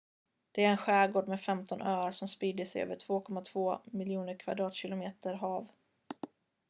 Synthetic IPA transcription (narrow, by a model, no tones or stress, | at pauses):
d̪̥ɛæɾɛnɧæːɡoːɖmɛːfɛmt̪ɔnʔøːaɾʂɔmspiːd̪əsɛjø̰ːvəʈʰv̥oːkʰɔmːat̪ʰvoːmɪljuːnəɾkʰva̰d̪ɾɑːt̪ɕɪlʊmeːt̪əɾɦɑːv